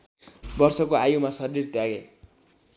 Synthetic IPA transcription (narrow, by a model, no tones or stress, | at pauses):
bʌrsʌkoajumasʌrirt̪jaɡe